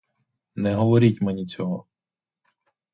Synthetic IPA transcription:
nɛɦɔʋɔɾʲitʲmɛnʲit͡sʲɔɦɔ

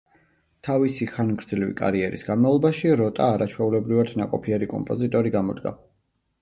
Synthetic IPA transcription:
t̪ʰavisiχanɡɾd̪zlivḭkʼa̰ɾiɛɾḭsɡ̥anmavlˠɔbaʃiɾɔt̪ʼaːɾat͡ʃʰwɛulɛbɾivat̪nakʼɔpʰiɛɾikʼɔ̰mpʼɔzit̪ʼɔɾiɡamɔd̪ɡa̰

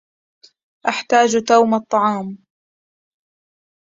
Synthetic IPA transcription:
ʔaħt̪aːd͡ʒt̪awmɑt̪ˤːɑʕɑːm

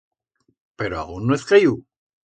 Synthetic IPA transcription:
peɾoa̰ɣunːoeskaju

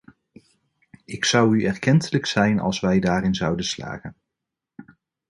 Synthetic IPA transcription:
ɪksʌwyɛɹkɛntələksɛjnɑ̰lˠsʋɛjdaːɾɪnzɑwdənsla̰ːχən

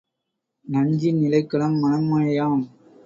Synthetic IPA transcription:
nɐɲd͡ʒinɪlɐɪkːɐɭɐmːɐnɐmːaːɐjaːm

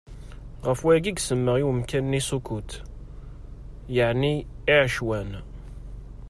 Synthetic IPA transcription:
ʁəfwæɡiɡsəmːəʁiwəmkænːisukut̪ | jəʕniiʕəʃwæn

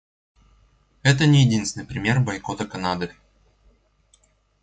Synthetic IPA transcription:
ɛt̪̬ənʲɪjɪdʲinsʲnɨɪjpɾʲɪmʲe̞rbɐjkot̪əkɐnad̪ɨ

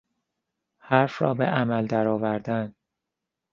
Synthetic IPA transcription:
hæɾfɾɒ̰ːbeʔæmæld̪æɾɒːvæɾd̪æn

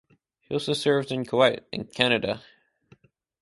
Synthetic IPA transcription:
hiɔlˠsoʊsɜ˞vdɨ̃nkʰowaɪɾɨ̰̃nkʰæñɨɾə̰

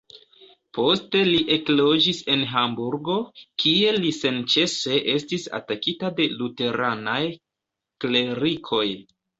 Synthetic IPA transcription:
po̞ste̞liʔe̞klo̞d͡ʒise̞nɦambuɾɡo̞kʰie̞lise̞nt͡ʃe̞se̞ʔe̞stisa̰takitade̞lute̞ɾanaj | kle̞ɾikʰo̞j

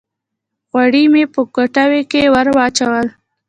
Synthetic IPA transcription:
ɣwaɽimepəkoʈawekewəɾwɑt͡ʃawəl

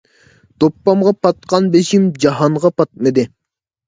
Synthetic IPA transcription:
t̪opːɑmʁɑpɑt̪̚qɑnbeʃimd͡ʒɑɦɑɴʁɑpɑt̪̚mɨd̪ɪ

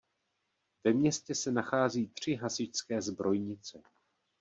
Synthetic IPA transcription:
vɛmɲɛscɛsɛnaxaːziːt̪r̝̥ɪɦasɪcskɛːzbɾo̞jɲɪt͡sɛ

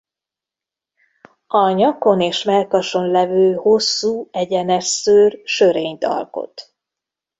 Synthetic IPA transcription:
ɒɲɒko̞neːʃmɛlkɒʃo̞nlɛvøːho̞sːuːɛɟɛnɛʃsøːrʃø̞ɾeːɲt̪ɒ̰lko̞̰t̪

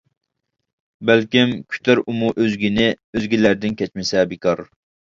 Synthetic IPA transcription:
bælkʲimkʲʰy̥t̪ʰæɾumuʔøzɡʲinɪ | øzɡʲilæɾd̪ɪnkʲʰɛt͡ʃmɪsɛbɪkʰɑɾ

